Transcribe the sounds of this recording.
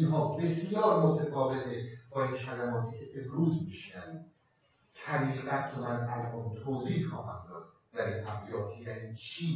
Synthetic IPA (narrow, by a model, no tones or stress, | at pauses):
nɦɒːbe̞sjɒːɾmot̪ʰefɒːvet̪ʰeb̥ɒːiːnxælæmɒːt̪ʰiːcʰeʔemɾuːzbeʃnæviː | t̪ʰæɾiːɣæt̪ʃodænæɾʔont̪ʰoːziːhxɒːɦæ̰nd̪ɒːd̪̥̚ | d̪̥æɾiːnʔæbijɒːt̪ʰjæniːt͡ʃʰiː